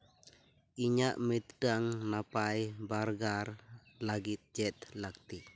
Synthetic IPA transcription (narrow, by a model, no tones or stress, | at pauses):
iɲaʔmit̪daŋnapajbarɡar | laɡid͡ʒɛt̪lak̚t̪i